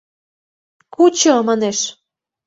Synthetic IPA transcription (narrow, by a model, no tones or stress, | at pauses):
kut͡ɕomɑneʃ